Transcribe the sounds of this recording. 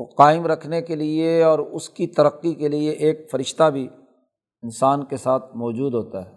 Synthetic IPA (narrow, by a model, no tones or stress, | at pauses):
qaːɪmɾɐkʰnekelieɔːɾʊskit̪ɐɾəqːikelieʔeːk̚fɐɾɪʃt̪abʱi | ɪnsaːnkesaːt̪ʰmɔːd͡ʒuːd̪ɦoːt̪aɦɛː